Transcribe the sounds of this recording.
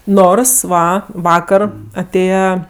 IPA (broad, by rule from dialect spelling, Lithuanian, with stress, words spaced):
ˈnoːrs ˈʋɐ ˈʋɑːkɐr ɐˈtʲeːjɛ